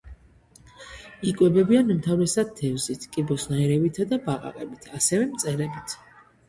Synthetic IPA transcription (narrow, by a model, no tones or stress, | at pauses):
ikʼwɛbɛbianumt̪ʰavɾɛsad̪̚t̪ʰːɛvzit̪ʰkʼibɔsnaɛɾɛbit̪ʰad̪abaqʼa̰qʼɛbit̪ʰasɛvɛmt̪sʼɛɾɛbit̪ʰ